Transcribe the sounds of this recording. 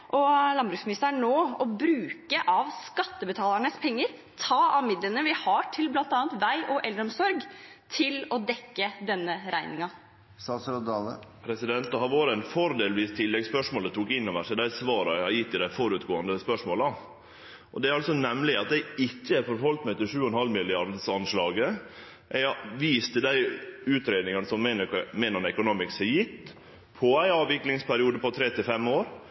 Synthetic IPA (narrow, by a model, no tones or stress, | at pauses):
ʔɔlɑnbɾʉːksmɪnɪst̪əæɳoːɔbɾʉːkəʔɑʋskɑt̪ːəbət̪ʰɑːlæɳəspʰɛŋːəɾ | t̪ʰɑːɑʋmɪd̪lənəʋɪhɑːʈʰɪlblɑnt̪ɑːnt̪ʋæɪʔɔʔɛld̪ɾɔmsɔɾɡ | t̪ʰɪlɔd̪ɛkːəd̪ɛnːəɾæɪnɪŋɑ | sɑsɾɔd̪ɑlə̰pʰɾɛsɪd̪ɛnt̪ɑhɑɾʋoːɾəɛnfɔɾd̪eːlʋiːst̪ʰɪlːɛɡspœʂmoɔːlət̪ʰuːkɪnːɔʋæʂɛd̪æɪsʋɑːɾɑɑɾjɪt̪ːɪd̪æɪfɔɾʉt̪ɡoːɑnd̪əspœʂmoːlɑ | ʔɔd̪ɛæɾɑlsɔnɛmlɪɑt̪d̪æɪɪkːəæɾfɔɾhɔlt̪mæɪt̪ɪlʂʉːɔɛnhɑlːmɪlɪɑɾd̪sɑnʂlɑːɡə | ʔɛɪɑʋiːst̪əd̪æɪʉːt̪ɾeːd̪nɪŋɑnəsɔmːenmɛːnɔnɛkʊnoːmɪkshɛjɪt̪ː | pʰɔæɪɑːʋɪklɪŋspʰæɾɪuːd̪əpɔt̪ʰɾeːt̪ɪlfɛmoːɾ